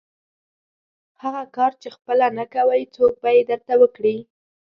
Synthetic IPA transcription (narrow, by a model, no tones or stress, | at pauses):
haɣakɑɾt͡ʃexpəlanakawəjt͡sok̚bajed̪əɾt̪awəkɽi